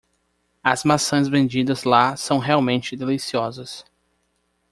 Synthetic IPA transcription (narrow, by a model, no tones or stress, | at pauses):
ɐzmasɐ̃j̃zvẽnd͡ʒid̪ɐzlasɐ̃w̃ɦeawmẽnt͡ʃɪd̪elisiɔzɐs